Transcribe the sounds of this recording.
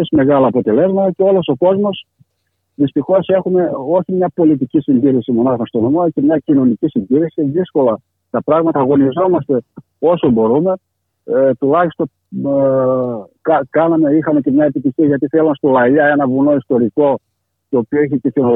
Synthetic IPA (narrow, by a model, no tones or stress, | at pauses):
esme̞ɣɐlɐːpo̞t̪e̞le̞zmɐt̪ɐce̞o̞lo̞so̞ko̞zmo̞s | ðist̪ixo̞se̞xume̞o̞çimɲɐpo̞lit̪̬icisindiɾisimo̞nɐxɐst̪onomoce̞mɲɐcino̞nicisindiɾisiðisko̞lɐ | t̪ɐpɾɐɣmɐt̪ɐːɣo̞nizo̞mɐst̪e̞ | o̞so̞bo̞ɾume̞ | t̪ulɐçist̪o | kɐkɐnɐme̞ixɐme̞ce̞mɲɐe̞pit̪içiɐʝɐt̪iθelɐnst̪olɐɐenɐvuno̞ist̪o̞ɾiko̞ | t̪oːpio̞içeceθino